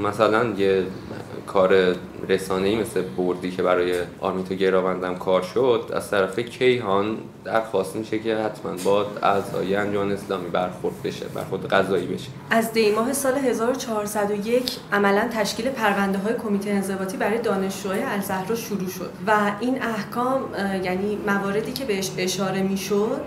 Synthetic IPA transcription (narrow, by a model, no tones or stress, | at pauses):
mæsælænje | kʰɒːɾe | ɾesɒːne̞iːme̞sleboɾd̪iːcʰebæɾɒːjeʔɒ̰ɾmit̪ʰoɟe̞ɾɒːvænd̪æmkʰɒːɾʃod̪̥æ̰z̥t̪ʰæɾæfecʰe̞jɦɒːn | d̪̥æɾxɒːst̪miʃecʰehæt̪ʰmæ̰nbɒːd̪æ̰zɒ̰ːjænd͡ʒomːneːslɒːmiːbæɾxoɾd̪̚beʃebæ̰ɾχo̞ɾd̪eɡæzɒːiːbe̞̰ʃeʔæzd̪e̞jmɒːɦe̞sɒːle̞ɦe̞zɒːɾo̞t͡ʃʰɒɦɒɾsæd̪o̞je̞cʰʔæmælænt̪ʰæʃciːle̞pʰæɾvænd̪e̞ɦɒːjekʰo̞miːt̪ʰejeːnze̞bɒːt̪ʰiːbæɾɒːje̞d̪ɒːne̞ʃd͡ʒuɒːjeælzæhɾɒːʃuɾuːʃo̞̰d̪̥væiːnæhkʰɒːmjæniːævɒːɾe̞d̪iːcʰe̞be̞eʃe̞ʃɒːɾe̞miːʃod̪̥